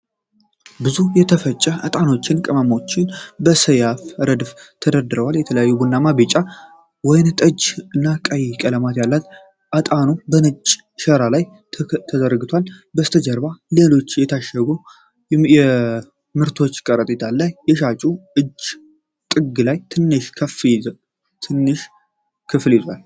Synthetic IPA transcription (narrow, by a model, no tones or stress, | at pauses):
bɨzujɛt̪ʰəfət͡ʃʼːəʔat̪ʼano̞t͡ʃːɪnkʼɨmamo̞t͡ʃːɪnbəsəjafɾəd̪ft̪ʰəd̪əd̪ɨɾəwaljɛt̪ʰələjajːubunːamabet͡ʃʼa | wɔjɪnt̪ʼəd͡ʒɨnːakʼəjkʼələmat̪jalːat̪ | ʔat̪ʼanobənɨt͡ʃʼː | ʃəɾalaj | t̪ʰəd̪əɾɡɨt̪ʰʷalbəst̪ʰəd͡ʒəɾbalelo̞t͡ʃːjɛt̪ʰaʃəɡu | ɛ | mɨɾt̪ʰo̞t͡ʃːkʼəɾət̪ʼit̪ʰalːajːɛʃat͡ʃʼuɨd͡ʒ | t̪ʼɨɡɨlajt̪ʰɨnːɨʃkʰəfiz | t̪ʰɨnːɨʃ | kʰɨfljɪzwal